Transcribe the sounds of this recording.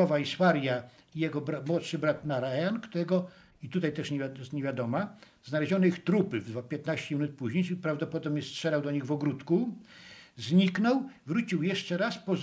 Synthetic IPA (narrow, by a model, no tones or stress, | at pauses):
ɔvaiswaɾʲja | ijɛɡɔbamwɔt̪ʂɘbɾat̪naɾajankt̪uɾɛɡɔ | it̪ut̪ajt̪ɛʂɲɛjɛst̪ɲeɛvʲjad̪ɔma | znalɛʑɔnɔixt̪ɾupɘvd̪vapʲjɛt̪naɕt͡ɕɛmʲinut̪̚puʑɲejipɾavd̪ɔpɔd̪ɔbɲɛstʂɛɾawd̪ɔɲiɣvɔɡɾut̪ku | zɲiknɔwvɾut͡ɕiwjɛʂt͡ʂɛɾaspɔz